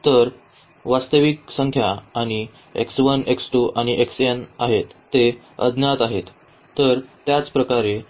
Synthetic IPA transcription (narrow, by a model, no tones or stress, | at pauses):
t̪əɾ | ʋast̪əʋiksəŋkʰjaːɽ̃i | ḛksʋəneksʈuʔaɽ̃iʔeksenaɦet̪ːe | ə̰d̪ʱnjat̪aɦet̪ː | əɾt̪jat͡spɾəkaɾe